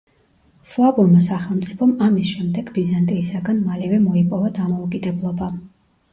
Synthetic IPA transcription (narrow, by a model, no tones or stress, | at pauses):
slˠabuɾmasaχɛlˠmt̪sʼipʰɔmamisʃɛmd̪ɛɡbizant̪ʼiːsaɡanmalivɛmɔipʼɔvad̪amɔukʼid̪ɛblˠɔba